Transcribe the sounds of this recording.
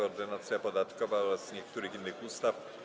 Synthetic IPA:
ɔɔɾd̪ɘnat̪sʲjapɔd̪at̪kɔvaɔɾasɲɛkt̪uɾɘxinːɘxust̪af

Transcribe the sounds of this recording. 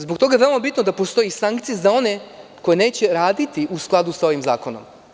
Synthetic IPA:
zbok̚t̪o̞ɡajeʋelmabit̪nod̪apo̞st̪o̞jisaŋkt̪sijezao̞ne̞ko̞jene̞ːt͡ɕe̞ɾaːd̪it̪iʔusklˠad̪usao̞ʋimza̰ːko̞nom

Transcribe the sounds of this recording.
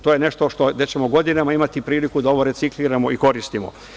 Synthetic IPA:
t̪oːjeneʃt̪o̞ʃt̪o̞d̪et͡ɕe̞moɡo̞d̪inamaimat̪ipɾiːlikud̪aoʋoɾe̞t̪sikliːɾamo̞iko̞ɾist̪imo̰

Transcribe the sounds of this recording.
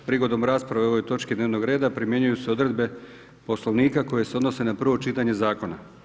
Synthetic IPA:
pɾiɡo̞d̪o̞mɾaːspɾaʋeo̞ʋo̞jt̪o̞t͡ʃkid̪neːʋno̞ɡɾe̞ːd̪apɾimjeɲujuseo̞d̪ɾe̞d̪be̞ | po̞sloʋniːkako̞je̞seo̞d̪no̞se̞napr̩ʋo̞t͡ʃit̪aɲe̞zaːko̞na

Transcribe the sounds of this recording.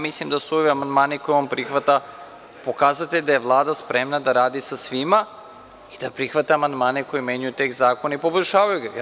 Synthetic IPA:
mislimd̪asuoʋiamand̪maːniko̞juʋampɾixʋat̪a | po̞kaːzat̪ed̪ajeʋlˠaːd̪aspɾe̞mnad̪aɾaːd̪isasʋima | id̪apɾixʋat̪aamand̪maːneko̞jime̞ɲujut̪e̞ːkzaːko̞naipo̞boʎʲʃaːʋajuɡa

